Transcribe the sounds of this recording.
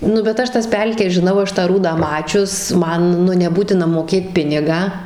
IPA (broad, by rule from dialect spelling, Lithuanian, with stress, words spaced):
nʊ bʲɛt ˈɐʃ ˈtɐs ˈpʲɛlʲkʲɛs ʒʲɪˈnɐʊ ˈɐʃ tɑː ˈruːdɑː ˈmɑːt͡ʃʲʊs ˈmɐn nʲɛˈbuːtʲɪnɐ moːkʲˈeːt ˈpʲɪnʲɪɡɑː